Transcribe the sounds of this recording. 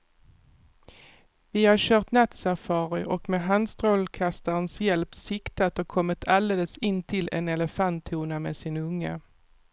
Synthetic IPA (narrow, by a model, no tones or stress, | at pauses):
vɪhaɕœːʁt̪nat̪safɑːɾɪʔɔkmɛɦand̪st̪ɾɔlkʰast̪aɾənsjɛlpsɪkt̪at̪ɔkʰɔmːɪt̪ʰald̪eːləsɪnːt̪ʰɪlɛ̰nɛləfant̪ʰːuːnameːsɪnɵŋːə